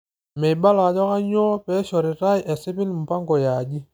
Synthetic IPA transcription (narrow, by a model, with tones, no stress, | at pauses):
mɛ˨ba˦la˨d͡ʒɔ˦ka˦ɲɔ˦pɛ˦ʃɔ˨ɾɪ˨ta˦jʔɛ˨sɪ˦pɪ˦n˨m̩˨pa˦ŋɡɔ˨ja˨d͡ʒi˦